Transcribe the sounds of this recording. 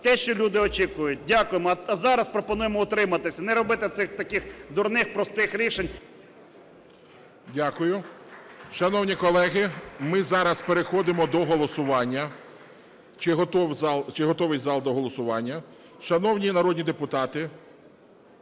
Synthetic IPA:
t̪ɛʃt͡ʃɔlʲud̪ɪɔt͡ʃikʊjʊt̚ʲdʲakʊjemɔɐzɑɾɐspɾɔpɔnujemɔʊt̪ɾɪmɐt̪ɪsʲɐnɛɾɔbɪt̪ɪt̪sɪxt̪ɐkɪxd̪ʊrnɪxpɾɔst̪ɪxɾʲiʃenʲ | dʲakʊjʊ | ʃɐnɔwnʲikɔlˠɛɦɪmɪzɑɾɐspeɾexɔd̪ɪmɔd̪ɔɦɔlˠɔsʊʋɑnʲːɐ | t͡ʃɪɦɔt̪ɔwzɑlˠt͡ʃɪɦɔt̪ɔʋɪjʲzɑlˠd̪ɔɦɔlˠɔsʊʋɑnʲːɐ | ʃɐnɔwnʲinɐɾɔdʲnʲid̪epʊt̪ɑt̪ɪ

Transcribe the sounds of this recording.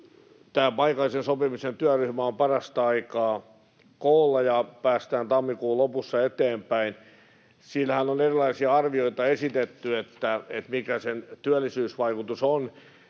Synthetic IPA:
t̪æːmpɑikɑlisensopimisent̪yæryhmæompɑrɑst̪ɑɑikɑː | koːlːɑjɑpæːst̪æːnt̪ɑmːikuːlopusːɑet̪eːmpæin | siːlːhænonerilɑisiɑɑrʋioit̪ɑesit̪et̪ːyet̪ːæet̪mikæsent̪yælːisyːsʋɑikut̪uson

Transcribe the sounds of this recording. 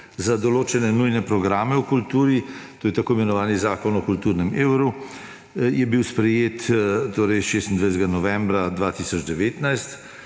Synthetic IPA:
zad̪ɔloːt͡ʃɛnɛnujnɛpɾɔɡɾaːmɛukult̪uːɾit̪oːjɛt̪akoːjmɛnɔʋaːnizaːkɔnɔkult̪uːɾnɛmeːwɾu | jɛbiwspɾɛjeːt̪t̪ːoːɾɛjʃeːst̪nd̪ʋajs̬t̪ɛɡanɔʋɛmbɾad̪ʋaːt̪isɔd͡ʒd̪ɛʋeːt̪najst̪

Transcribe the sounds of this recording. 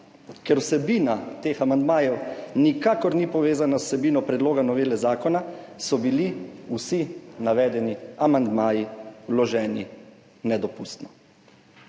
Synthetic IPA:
kɛɾwsɛbiːnat̪eːxamand̪maːjɛwnikaːkɔɾnipɔʋeːzanassɛbiːnɔpɾɛd̪loːɡanɔʋeːlɛzaːkɔnasɔbiliusinaʋɛːd̪ɛniamand̪maːjiwlɔʒɛːni | nɛd̪ɔpuːst̪nɔ

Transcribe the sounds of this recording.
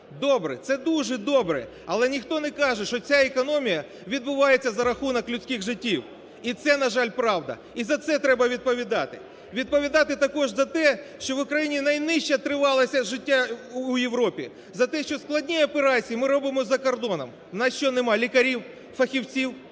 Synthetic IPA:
d̪ɔbɾɛ̰t̪sɛd̪uʒɛd̪ɔbɾɛ̰ | ɐlˠɛnʲixt̪ɔnɛkɑʒɛʃɔt͡sʲaekɔnɔmʲijɐ | ʋʲid̪bʊʋɑjet͡sʲːɐzɐɾɐxunɐklʲʊt͡sʲkʲɪxʐɪtʲːiw | it̪sɛnɐʒɑlʲpɾɑwd̪ɐ̰ | izɐt̪sɛt̪ɾɛbɐʋʲid̪̚pɔʋʲid̪ɑt̪ɪ | ʋʲid̪̚pɔʋʲid̪ɑt̪ɪt̪ɐkɔʐzɐt̪ɛʃt͡ʃɔʋʊkɾɐjinʲinɐjnɪʃt͡ʃɛt̪ɾɪʋɑlˠɐsʲɐʒɪtʲːaujewɾɔpʲḭ | zɐt̪ɛʃt͡ʃɔsklˠɐdʲnʲiɐpeɾɑt͡sʲijimɪɾɔbɪmɔzɐkɔrd̪ɔnɐm | nɐʃt͡ʃɔnɛmɑlʲikɐɾʲiw | fɐxʲiwt͡sʲiw

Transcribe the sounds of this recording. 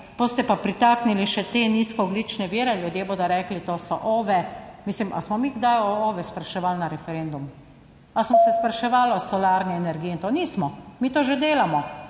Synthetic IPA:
b̥ost̪ɛpapɾit̪aːkniliʃɛt̪eːniːskɔɔɡliːt͡ʃnɛʋiːɾɛljud̪jeːboːd̪ɔɾɛːklit̪oːsɔ̰ʔoːʋɛmislima̰smɔmiːɡd̪ajɔoːʋɛspɾaʃɛʋalnaɾɛfɛɾend̪um | asmɔsɛspɾaʃɛʋaːlɔsɔlaːɾnɛɛnɛɾɡiːɛint̪oniːsmɔmiːt̪oːʒed̪eːlamɔ

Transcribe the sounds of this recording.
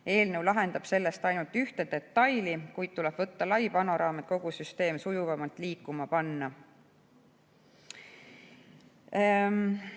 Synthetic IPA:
e̞ːlnewlɑɦe̞nd̪̥ɑb̥se̞lːest̪ɑjnult̪ˑyht̪ed̪e̞t̪ːˑɑjlikujt̪̚t̪ulɛb̥vɤt̪ːɑlɑjpɑnoɾɑːmet̪̚ko̞ɡ̥usyst̪e̞ːmsujuvɑmɑlt̪ˑliːkːˑumɑpɑnːɑ

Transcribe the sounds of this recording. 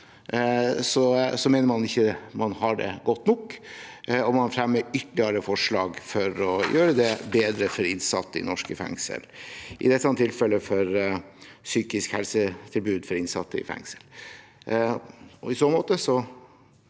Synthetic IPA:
sɔsɔmeːnəmɑnɪçːəmɑnhɑɖɛ̰ɡɔt̪ːnɔk | ɔmɑnfɾɛmːəɾʏt̪ːlɪəɾəfɔʂɭɑːɡfɔɾɔjøːɾəd̪ɛbeːd̪ɾəfɔɾɪnsɑt̪ːəɪ̰nɔʂkəfɛ̰ŋsə̰lʔɪ̰d̪ɛt̪ːɑnt̪ʰːɪlfɛlːəfɔɾ | syːkɪskhɛlsət̪ʰɪlbʉːd̪fɔɾɪnsɑ̰t̪ːəɪ̰fɛ̰ŋsəl | ɔɪsoːnmoːt̪əsɔ

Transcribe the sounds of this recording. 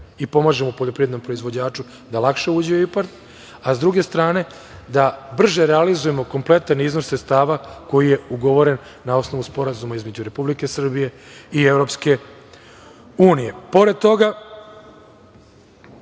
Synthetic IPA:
ipo̞maːʒe̞moupoʎo̞pɾived̪no̞mpɾo̞izʋo̞d͡ʑaːt͡ʃu | d̪alˠakʃe̞uːd͡ʑiipaɾt̪ | azd̪ɾuɡe̞st̪ɾaːne̞ | d̪abr̩ʒeɾealizuje̞mo̞ko̞mple̞t̪anizno̞sɾet̪st̪aːʋako̞jije̞uɡo̞ʋo̞ɾe̞nːao̞sno̞ʋuspo̞ɾazumaizme̞d͡ʑuɾe̞publike̞sr̩bije̞ievɾo̞pske̞ | uːnije̞po̞ɾe̞d̪̚t̪o̞ɡa

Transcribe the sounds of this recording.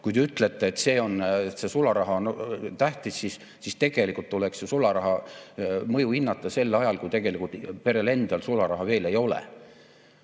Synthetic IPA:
kujt̪eyt̪ːˑle̞t̪ːˑeet̪se̞ːo̞nt̪se̞sulɑɾɑɦɑont̪æht̪isːis | sist̪e̞ɡ̥e̞likult̪ːulekssesulɑɾɑɦɑ | mɤjuinːɑt̪ːˑɑse̞lːɑjɑlkujt̪e̞ɡ̥e̞likult̪pe̞ɾe̞le̞nd̪̥ɑlsulɑɾɑɦɑve̞ːle̞jo̞lḛ

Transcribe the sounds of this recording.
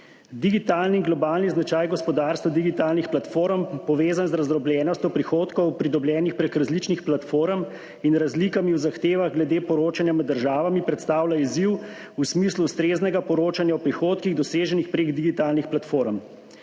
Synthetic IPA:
d̪iɡit̪aːlniɡlɔbaːlniznat͡ʃajɡɔspɔd̪aɾst̪ʋad̪iɡit̪aːlnixplat̪foːɾmpɔʋeːzanzɾazɾɔbljɛːnɔst̪jɔwpɾixoːt̪kɔwpɾid̪ɔbljɛːnixpɾekɾazlit͡ʃnixplat̪foːɾm | inɾazlikamiuwzaxt̪eːʋaɣɡlɛd̪eːpɔɾoːt͡ʃanjamɛd̪ːəɾʒaːʋamipɾɛt̪st̪aːwlaiziw | usmisluust̪ɾeːznɛɡapɔɾoːt͡ʃanjawpɾixoːt̪kiɣd̪ɔseːʒɛnixpɾeɡd̪iɡit̪aːlnixplat̪foːɾm

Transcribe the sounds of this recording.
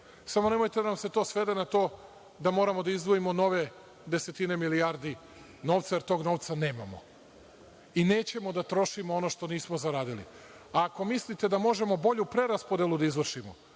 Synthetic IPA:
samo̞ne̞mo̞jt̪ed̪anamse̞t̪o̞ːsʋe̞d̪enat̪o̞ː | d̪amo̞ːɾamo̞d̪aizd̪ʋoimo̞no̞ʋe̞ | d̪e̞se̞t̪ine̞miliaɾd̪i | no̞ːʋt̪saje̞ɾt̪o̞ːɡno̞ʋt̪sane̞ːmamo̰ | ine̞ːt͡ɕe̞mo̞d̪at̪ɾo̞ʃimoonoʃt̪o̞niːsmozaɾaːd̪ilḭ | aːko̞mislit̪e̞d̪amo̞ʒe̞mo̞bo̞ʎupɾe̞ɾaspod̪elˠud̪aizʋr̩ʃimo̰

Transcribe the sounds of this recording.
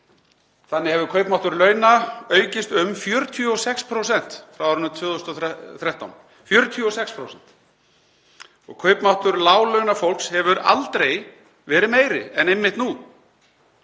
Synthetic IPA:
θanːɪhɛvʏɾkʰœɥpmawht̪ʏɾlœːɥnaœːɥcɪst̪ʏmfjœːɾt̪ʰyɔsɛkspʰɾowsɛn̥t̪fɾawaɾʏnʏt̪ʰvʏːθost̪ɔθɾɛht̪a̰wn | fjœːɾʏt̪ʰyɔsɛkspʰɾowsɛn̥t̪ | ɔ̰ɣkʰœɥpmawht̪ʏɾlaːwlœɥnafowl̥kshɛvʏɾa̰lt̪ɾej | vɛːɾɪmeːjɾɪ̰ɛnejmːɪht̪nu

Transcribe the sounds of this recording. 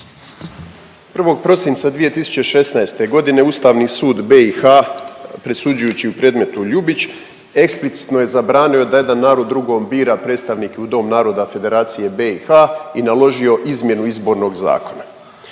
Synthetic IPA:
pr̩ʋo̞ɡ̚pɾo̞sint̪sad̪ʋije̞t̪isu̥t͡ɕe̞ʃe̞snaest̪e̞ɡo̞d̪ine̞uːst̪aːʋnisuːd̪beixapɾesud͡ʒujuːt͡ɕiupɾe̞ːd̪me̞t̪uʎubit͡ɕ | e̞ksplit̪si̥t̪no̞je̞zabɾaːnio̞d̪aje̞d̪anːaːɾo̞d̪ːɾuɡo̞ːmbiːɾapɾe̞ːt̪st̪aʋniːkeud̪o̞mnaːɾo̞d̪afe̞d̪e̞ɾaːt̪sije̞beixainalˠo̞ʒio̞ʔizmje̞nuizbo̞ːɾno̞ɡza̰ːko̞na

